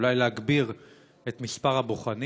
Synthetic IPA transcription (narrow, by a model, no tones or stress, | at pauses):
lajleɦaɡbiʁ | et̪mispaʁhaboχani